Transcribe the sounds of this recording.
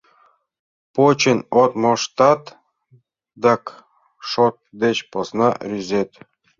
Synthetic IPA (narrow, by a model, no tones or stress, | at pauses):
pot͡ɕenʲot̪moʂt̪ɑt̪ | d̪ɑk | ʂot̪̚d̪et͡ɕposnɑrʲyzʲet̪